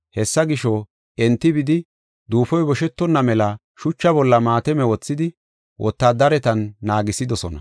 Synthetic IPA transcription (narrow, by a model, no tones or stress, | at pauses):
hɛsːɐɡɪʃɔ | ɛnt̪ːɪbɪd̪ɪ | d̪uːfɔjbɔʃɛt̪ːɔnːɐmɛlɐ | ʃʊt͡ʃːɐbɔlːɐmaːt̪ɛmɛwɔt͡sːɪd̪ɪ | wʔɔ̰t̪ːaːd̪ɐɾɛt̪ɐnːaːɡɪsɪd̪ɔsɔnɐ̰